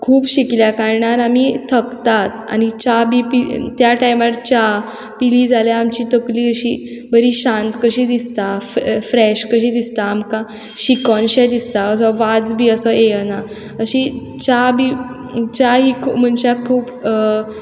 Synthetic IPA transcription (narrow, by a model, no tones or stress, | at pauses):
kʰuːbɕikljakaɾɳaɾamit̪ʰəkt̪at̪a̰nit͡ɕabipit̪jaʈajmaɾt͡ɕa | piliːd͡zaljaamt͡ɕiːt̪əkliːəɕḭbəɾiːɕãnt̪kəɕid̪ist̪affɾɛɕkəɕiːd̪ist̪aːmka | ɕikɔnɕɛd̪ist̪aəsɔʋad͡zbʱiːəsɔena | əɕi | t͡ɕabʱi | t͡ɕaɦiːkʰum̤əɳɕakʰuːb